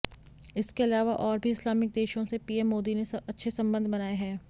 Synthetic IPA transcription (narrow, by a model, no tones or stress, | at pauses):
ɪskeɐlaːʋaʔɔːɾbʱiɪslaːmɪk̚d̪eːʃõsepiːɛmːoːd̪inesɐɐtːʃʰesɐ̃mbə̃nd̪ʱbɐnaːeɦɛː